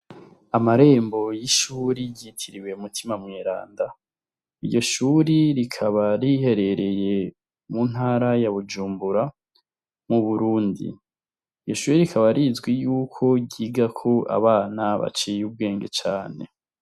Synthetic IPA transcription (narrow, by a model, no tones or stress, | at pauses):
amaɾe̞ːmbo̞jiʃuːɾiɟitʰiɾiwe̞umutʰimamŋeːɾa̰ːnda | ijo̞ʃuɾiɾikʰaβaɾihe̞ɾe̞ɾe̞je̞ | mun̥haːɾajaβud͡ʒuːmbuɾa | muβuɾuːndḭ | jo̞ʃuːɾiɾikʰaβaɾizɡwijuːkʰo̞ɟiːɡakʰo̞ʔa̰βaːnaβa̰t͡ʃijub̚ɡeːŋɡe̞t͡ʃaːne̞̰